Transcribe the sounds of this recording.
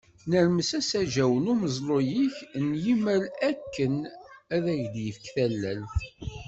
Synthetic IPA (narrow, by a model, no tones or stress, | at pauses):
nəɾməsæsæʒæwənʊməzˤlˤojiçnjiməlækːənæðæʝd̪jəfkθælːælθ